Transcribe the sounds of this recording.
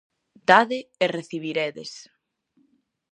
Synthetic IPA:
d̪̥aðɪːreθiβ̞iɾeðḛs

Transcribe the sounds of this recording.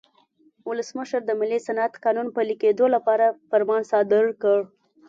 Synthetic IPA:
wʊləsməʃəɾd̪əmɪlːisanat̪kɑnunpəliked̪olapɑɾafaɾmɑnsɑd̪ɪɾkəɽ

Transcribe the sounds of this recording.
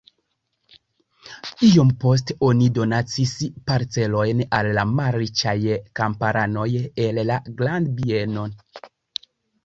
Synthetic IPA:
io̞mpo̞s̬tonido̞nat͡sispaɾt͡se̞lo̞jnalːamalɾit͡ʃajkampaɾano̞jelːaɡlandbieno̞n

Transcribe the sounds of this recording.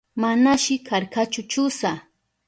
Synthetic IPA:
manaʃɪkʰaɾkat͡ʃʊt͡ʃʊsa

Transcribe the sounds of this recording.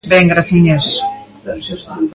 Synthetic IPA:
bɛŋɡɾaθiɲas

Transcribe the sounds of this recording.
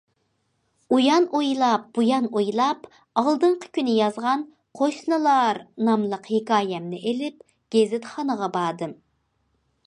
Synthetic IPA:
ujɑnojlˠɑp̚b̥ujɑnojlˠɑp | ɑlˠd̪ɨɴqʰə̥kʲynɪjɑzʁɑn | qʰoʃnɨlˠɑɾnɑmlˠəqhekɑːjɛmnɪʔelɪp̚ | ɡ̥ʲezɪt̪χɑnəʁɑbɑːd̪ɨm

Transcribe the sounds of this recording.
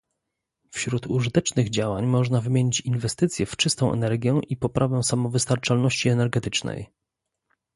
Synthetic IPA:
fɕɾut̪uʐɘt̪ɛt͡ʂnɘɣd͡ʑawaɲmɔʐnavɘmʲjeɲit͡ɕinvɛst̪ɘt̪sʲjɛft͡ʂɘst̪ɔ̃w̃ʔɛ̰nɛɾɡʲjɛʔipɔpɾʔavɛsamɔvɘst̪aɾt͡ʂalnɔɕt͡ɕiɛnɛɾɡɛt̪ɘt͡ʂnɛ̰j

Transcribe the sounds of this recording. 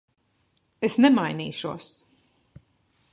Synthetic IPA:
esnɛmajnḭːʃuəs

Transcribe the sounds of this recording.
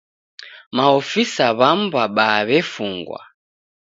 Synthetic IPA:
maɔfisaβam̩baɓaβɛfuŋɡwa̰

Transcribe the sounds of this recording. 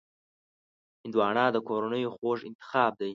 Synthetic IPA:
hɪnd̪wɑɳɑd̪əkoɾanəjoxoʐɪ̰nt̪ɪ̥xɑːb̚d̪aj

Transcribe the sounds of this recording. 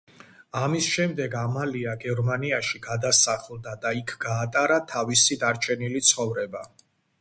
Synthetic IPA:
amisʃɛmd̪ɛɡamaliaɡɛɾmaniaʃiɡad̪asaχlˠd̪ad̪aikʰɡ̥aːt̪ʼaɾat̪ʰavisid̪aɾt͡ʃʰɛnilit̪sʰχɔvɾɛba

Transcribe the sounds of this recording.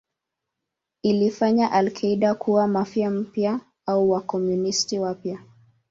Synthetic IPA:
ilifaɲaʔalkʰaiɗakʰuwamafjam̩pja | auwakɔmjunistiwapja

